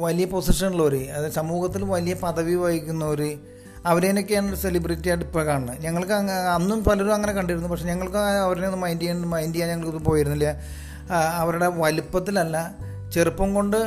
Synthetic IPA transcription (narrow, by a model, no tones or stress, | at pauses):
ʋɐlijɐpo̞siʂɐnuɭːɐoɾɨɐðɨsɐmuːɣɐt̪ːilʋɐlijɐpɐðɐʋiʋajikʲːunːɐoɾɨ | ɐʋɐɾeno̞kːe̞jaːɳse̞libritːijɐɖipːɐkaːɳɳɨɲɐŋːɐɭkɨɐŋːɐnːumpɐlɐɾumɐŋːɐne̞kɐɳɖiɾunːupɐkʂe̞ɲɐŋːɐɭkɨɐʋɐɾeenːumɐjndijɐmɐjndijaːɲɐŋːɐɭkːonːupo̞ːjiɾunːilːɐ | ɐʋɐɾuɽe̞ʋɐlupːɐt̪ːilɐlːɐ | t͡ɕe̞rupːɐmko̞ɳɖɨ